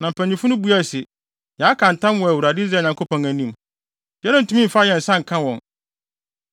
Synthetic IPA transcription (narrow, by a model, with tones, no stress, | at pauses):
nã˨m̩˨pʰæ̃˨ɲ˨ĩ˨fu˦nʊ̃˦bu˦æ˦˨sɪ˨ | jɛ˨a˦kʰã˨n̩˨tʰã˦mwɔ˨æ˨wu˨ɾa˨dɪ˦i˦z̬ɾa˦˨ɲã˨ŋkʰo˦pʰɔ̃˨ŋæ̃˨nĩ˦m | dɛ˦nã˦n̩˨tʰũ˦mĩ˦m̩˨fa˦jɛ˨n̩˨sã˦ŋ̩˨kʰã˦wɔ̃˨n